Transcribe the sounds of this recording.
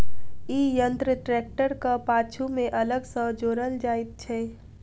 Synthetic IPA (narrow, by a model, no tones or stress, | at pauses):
ijənt̪ɾəʈɾɛk̚ʈəɾkapaːt͡ʃʰumẽʔələɡsə̃d͡ʒoːɾəld͡ʒaːit̪̚t͡ʃʰɛ